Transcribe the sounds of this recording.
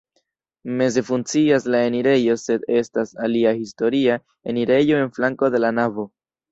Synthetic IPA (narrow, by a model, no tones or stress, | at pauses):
me̞ze̞funt͡siaslae̞niɾe̞jo̞se̞d̪e̞stasaliahisto̞ɾia | e̞niɾe̞jo̞e̞nflaŋko̞d̪e̞lanavo̞